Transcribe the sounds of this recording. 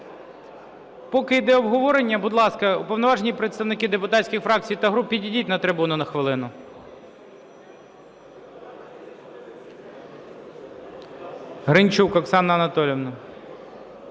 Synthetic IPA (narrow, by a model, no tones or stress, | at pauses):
pɔkɪjd̪ɛɔbɦɔʋɔɾenʲːɐbʊd̪lˠɑskɐupɔwnɔʋɑʒenʲipɾet̪st̪ɐʋnɪkɪd̪epʊt̪ɑtʲsʲkʲɪxfɾɑk̚t͡sʲijt̪ɐɦɾupʲːidʲidʲitʲnɐt̪ɾɪbunʊnɐxʋɪlˠɪnʊ | ɦɾɪnʲt͡ʃukɐksɑnːɐɐnɐt̪ɔlʲɔʋnɐ